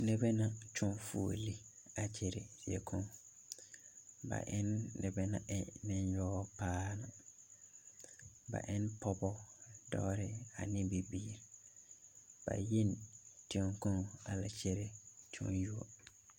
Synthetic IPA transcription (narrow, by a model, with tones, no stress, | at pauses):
nɛ˨bɛ˦nã˦t͡ʃʰɔ̃˦nfu˨o̰˨li˦a˨t͡ʃʰɛ˨ɾɪ˨d̥ɪ˨ɛ˨kʰɔ̃˦ŋ | ba̰˨ʔɪ˦nːɛ˨bɛ˦nã̰˨ʔɪ˦nɪ̃˦njɔː˦pʰaː˦na˨ | ba̰˨ʔɪ˦npʰɔ˦bɔ˦dɔː˦ɾɪ˦a̰˨nɪ̃˦bi˨biː˦ɾ | b̥a̰˨ji˦ntʰi˨ɔ̃˨ŋkɔ̃˦ŋa˨la˨t͡ʃʰɛ˦ɾɪ˦t͡ʃʰɔ̰̃˦nju˦o˨